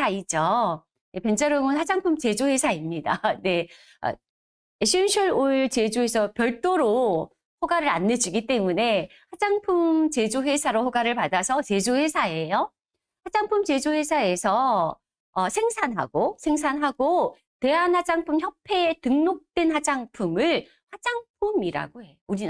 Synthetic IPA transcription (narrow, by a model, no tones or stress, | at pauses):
aid͡ʑʌ | epend͡ʑʌɾʌŋɯnhad͡ʑaŋpʰumt͡ɕed͡ʑoɸwe̞sʰaimɲida̰ne̞ | ʌ̰ | eɕʰinɕʰuɾoiɭt͡ɕe̞d͡ʑoesʰʌpjʌɭt͈oɾo | ɸoɡaɾɯɾanːed͡ʑiɡit͈e̞mune̞ | had͡ʑaŋpʰumt͡ɕe̞d͡ʑoɸwe̞sʰaɾoɸoɡaɾɯɭpadasʰʌt͡ɕe̞d͡ʑohe̞sʰae̞jo | had͡ʑaŋpʰumt͡ɕe̞d͡ʑowesʰae̞sʰʌ | ʌsʰeŋsʰanɦa̰ɡ̥osʰe̞ŋsʰanɦaɡo | te̞ɦanhad͡ʑaŋpʰumçjʌpʰe̞tɯŋnok̚t͈wenhad͡ʑaŋpʰumɯɭ | had͡ʑaŋpʰumiɾa̰ɡoheouɾina